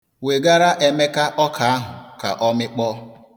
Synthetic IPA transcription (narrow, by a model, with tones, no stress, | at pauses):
we˨ɡa˦ɾa˦ʔe˨me˦ka˦ʔɔ˦kʰa˨a˦ɦʊ˨ka̰˨ʔɔ˦mɪ˦k͡pɔ˦